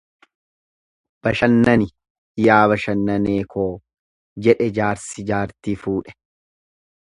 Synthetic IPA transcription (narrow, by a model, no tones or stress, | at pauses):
b̥ɐʃɐnːɐnɪ | jaːbɐʃɐnːɐneːkʰoː | d͡ʒɛᶑɛd͡ʒaːɾsɪd͡ʒaːɾt̪iːfuːᶑɛ̥